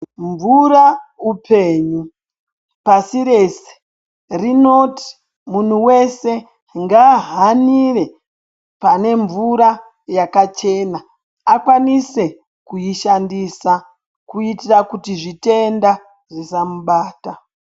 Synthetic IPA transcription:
ɱvuɾaupʰe̞ːɲu | pasiɾe̞se̥ | rino̞ti̥ | mun̤uwe̞se̞ | ŋɡaɦanire̞ | pane̞ɱvuɾa | jakat͡ʃe̞naː | kwanise̞ | kujiʃandisa | kuitirakutiʐite̞nda | ʐisamuɓaːta

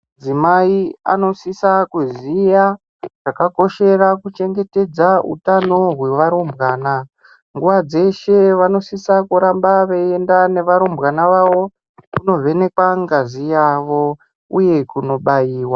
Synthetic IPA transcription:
d͡zimaia̰no̞sisakuzija | ʐ̥akako̞ʃe̞rakut͡ʃe̞ŋɡe̞te̞d͡zaṵtano̞ɦwe̞ʋaɾombɣaːna | ŋɡuʋad͡ze̞ʃe̞ʋano̞sisakuɾambaʋee̞ndane̞ʋaɾombɣanaʋaʋo̞ | kuno̞ʋe̞ne̞kwaŋɡazijaʋo̞ | uje̞kuno̞ɓajiːwa

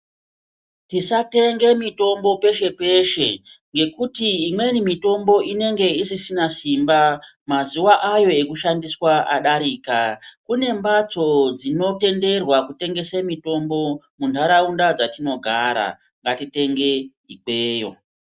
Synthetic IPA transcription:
tisate̞ŋɡe̞mito̞mbo̞pe̞ʃe̞pe̞ʃe̞ŋɡe̞kutiːmwe̞nimito̞mbo̞ʔine̞ŋɡe̞isisinasimba | mazuwaʔajo̞ekuʃandiswaʔa̰ɗaɾikakune̞mbat͡so̞d͡zino̞te̞nde̞rwakute̞ŋɡe̞semito̞mbo̞ | mundʰʱaɾaundad͡zatino̞ɡʱaɾa̰ | ŋɡatite̞ŋɡe̞ | ike̞ːjo̞̰

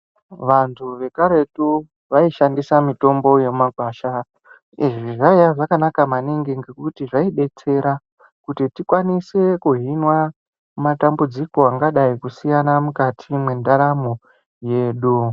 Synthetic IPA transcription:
ʋantʰuʋe̞kaɾe̞tu | ʋaiʃandisamito̞mbo̞jemaɡʱwaːʃa | iʐiʐaijaʐakanakamaniŋɡiŋɡe̞kutiʐaiɓe̞t͡se̞ɾa | kutitikwanise̞kuɦinwa | matambud͡ziko̞aŋɡaɗaikusijanamukatʰimwe̞ndaɾamo | je̞ːɗu

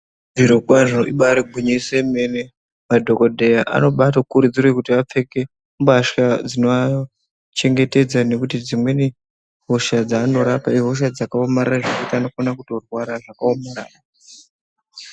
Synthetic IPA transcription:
viɾukwaʐoiɓaɾeɡʱuɲisemene | madʱo̞kodʱe̞jaʔa̰no̞ɓatokuɾud͡zirwekutiap͡fe̞ke̞ | mbaʃad͡zinoa | t͡ʃe̞ŋɡe̞te̞d͡zane̞kutid͡zimwe̞ne | ɦo̞ʃad͡zaːno̞ɾapaiɦo̞ʃ̬ad͡zakaomaɾaraʐakutiano̞fonakuto̞rwaɾaʐakaomaɾa̰ːra

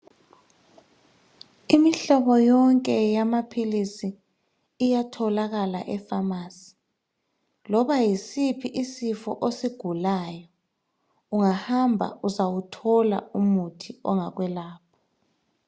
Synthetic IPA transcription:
imiɬɔβɔjɔŋkʼɛjamapʰilisiː | jatʰɔlaɣala̰ʔɛfamaːsi̥ | lɔβajisipʰiʔisifɔ̰ʔosiɡ̥ʱulaːjɔ | uŋahambʱa̰uzawutʰɔla̰umutʰiɔŋaɣwɛlaːp̚ʰɔ̥

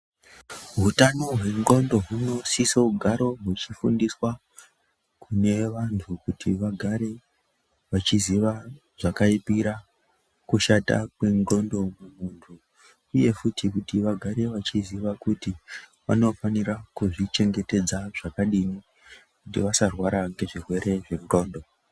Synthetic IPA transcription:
ɦutanoɦwe̞ŋɡo̞ndo̞ɦuno̞sisouɡʱaɾo̞ɦut͡ʃifundiswa | kʰune̞ʋantʰukutʰiʋaɡʱaɾe̞ | ʋat͡ʃiziʋa | ʐ̥akaipiɾa | kuʃata̰kwe̞ŋro̞ndo̞mumuntʰu | uje̞futikutiʋaɡʱaɾe̞ʋat͡ʃiziʋakutiʋa̰no̞faniɾakuʐit͡ʃe̞ŋɡe̞te̞d͡zaʐakaɗini | kutḭʋasarwaɾaŋɡe̞ʐirwe̞ɾe̞ʐe̞ŋro̞ːndo̞

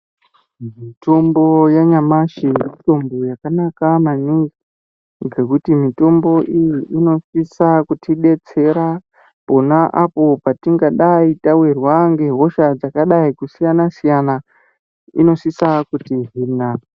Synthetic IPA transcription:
mito̞mbo̞jaɲamaʃijito̞mbojakanakamaniŋɡi | ɡe̞kutimito̞mbo̞ʔijiʔino̞sisakutiɗe̞t͡se̞ɾa | po̞naʔapo̞patiŋɡaɗaitawirwaŋɡe̞ɦo̞ʃad͡zakaɗaikusijanasijana | ḭno̞sisakutiɦiːna

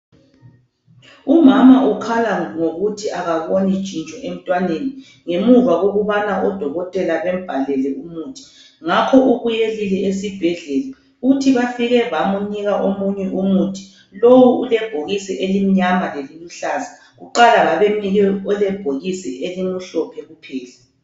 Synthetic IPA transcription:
umamaʔukʰalaŋoɣutʰiaɣaβonit͡ʃʼint͡ʃʼɔʔem̩tʼwaneni | ŋemuvaɣoɣuβanaʔɔd̥ʱɔɣɔtʼɛlaβɛm̩b̥ʱalɛlɛʔumuːtʰi̥ | ŋakʰɔʔuɣujelilɛesib̥ʱɛɮɛla | utʰiβafiɣɛβamuɲiɣaʔomuɲɛʔumutʰi̥ | lowuulɛb̥ʱoɣisɛʔelimiɲamaleliluɬaza | ɣuǃalaɣaβemiɣɛɔlɛb̥ʱoɣisɛeliŋuɬɔpʰɛɣupʰɛːlɛ

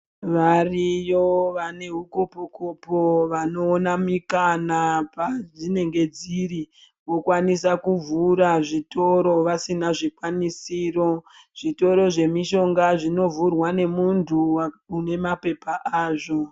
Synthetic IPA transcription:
ʋarijoʋane̞ɦukopokopo̞ʋano̞ːnamikanapaʐine̞ŋɡe̞d͡ziɾi | ʋo̞kwanisakuvuɾaʐito̞ɾo̞ʋasinaʐikwanisiːro̞ | ʐ̥ito̞ɾo̞ʐe̞miʃo̞ŋɡaʐino̞vurwane̞muntʰuwaune̞mape̞paʔaːʐo̞

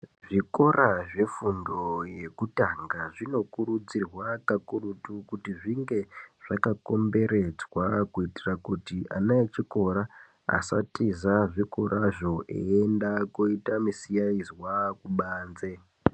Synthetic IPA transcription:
ʐiko̞raʐe̞fundo̞je̞kutaŋɡaʐino̞kuɾud͡zirwakakurutukutiʐiŋɡe̞ʐ̥akako̞mbe̞ɾe̞d͡zwakuitirakutia̰naet͡ʃiko̞ɾa | a̰sa̰tizaʐiko̞ɾʔaʐo̞ʔḛendakoitamisijaizwakuɓaːnze̞

